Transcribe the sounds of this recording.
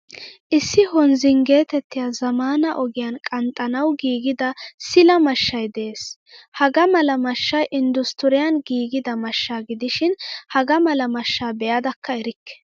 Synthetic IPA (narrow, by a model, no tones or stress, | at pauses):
ʔɪsːɪɦɔnzɪŋɡe̞ːt̪ɛt̪ːɪjaːzɐmaːnɐʔɔɡɪjankʼɐnt̪ʼːɐnɐwɡiːɡɪd̪ɐsɪlɐmɐʃːɐjd̪ɛeːs | hɐɡɐmɐlɐmɐʃːɐjʔɪnd̪ʊst̪ʊɾɪjɐnɡiːɡɪd̪ɐmɐʃːaːɡɪd̪ɪʃɪnhɐɡɐmɐlɐmɐʃːaːbɛjɐd̪ɐkːɐɛɾɪkːɛ̥